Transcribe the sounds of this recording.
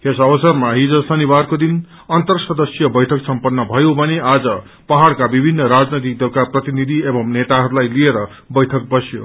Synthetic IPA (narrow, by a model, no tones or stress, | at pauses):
esʌbʌsʌrmaɦid͡zʌsʌnibarkod̪in | ʌnt̪ʌrsʌd̪ʌsijʌbʌjʈʰʌksʌmpʌnːʌbʱʌjobʱʌnead͡zʌ | pʌɦaɽkabibʱinːʌɾad͡znʌjt̪ik̚d̪ʌlkaprʌt̪inid̪ʱiebʌmnet̪aɦʌɾulajlieɾʌ | bʌjʈʰʌk̚bʌsjo̰